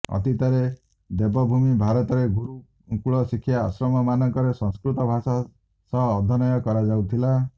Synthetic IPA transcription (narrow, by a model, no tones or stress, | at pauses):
ɔ̰t̪it̪aɾe | d̪ebɔbʱumibʱaɾɔt̪ɔɾeɡʱuɾu | kuɭɔsikʰja̰ːsɾɔmɔmanɔŋkɔɾesɔ̃ŋskɾut̪ɔbʱasa | sɔɦːd̪ʱɔnɔjɔkɔɾad͡ʒawt̪ʰila